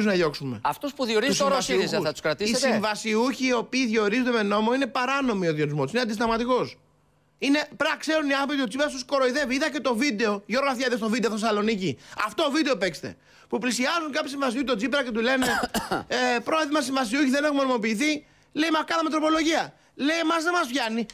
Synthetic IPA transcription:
zunɐʝo̞ksume̞̰ɐft̪ospuðjoɾiusvɐsizɐt̪u̥skɾɐt̪iisimvɐsiuçiːo̞piːðjo̞ɾizet̪ome̞no̞mo̞ine̞pɐɾɐno̞mioðio̞nizmo̞t̪usineɐnd̪ist̪ɐmɐt̪iko̞s | ine̞pɾɐkse̞ɾuniɐθopit̪od͡zzipeɐst̪usko̞ɾo̞iðe̞viiðɐce̞t̪o̞vid̪e̞o̞ʝo̞ɾɣɐθjɐðest̪o̞vid̪eθesɐlo̞niciɐft̪oːovid̪e̞o̞pe̞kst̪e̞̰ | puplisiɐzuŋkɐpçisiɱvɐs̬iuçit̪od͡zipeɾɐcet̪̬ule̞ne̞epɾo̞eðimɐs̬ĩɱvɐs̬iuçiðe̞ne̞xumo̞nimo̞piːθi | leimɐkɐnɐmet̪ɾopo̞lo̞ʝiɐ | le̞imɐzðemɐsfçɐni

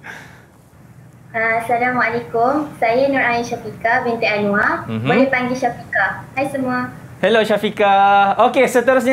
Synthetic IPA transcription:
asalamalekʊmsajənuɾainʃafikabɛnt̪eanũabalepaŋɡiʃafikahajsəmũa | hɛloʃafikaokesət̪əɾʊs̬ɲa

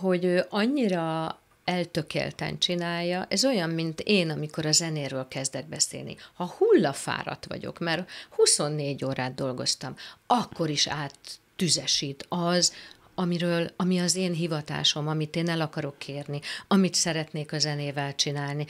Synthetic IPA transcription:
ɦo̞ɟøːʔɒɲːiɾɒ | ɛlt̪ø̞kḛːlt̪ɛ̰nt͡ʃinaːjːɒʔɛzo̞jɒmmint̪eːnɒmiko̞ɾɒzɛneːɾøːlkɛzd̪ɛɡ̚bɛsḛːlnḭhɒhulːɒfa̰ːɾɒ̰t̪ʋɒ̰ɟo̞̰kmɛrhuso̞nːeːɟoːɾaːd̪̚d̪o̞lɡo̞̰st̪ɒmɒkːo̞ɾiʃaːt̪ː | yzɛʃiːt̪ɒz | ɒmiɾøːlɒmiɒzeːnɦivɒt̪a̰ːʃo̞mɒmit̪eːnɛlɒkɒɾo̞kʰːeːrniɒmit̪sɛɾɛt̪neːkɒzɛneːvɛlt͡ʃinaːlni

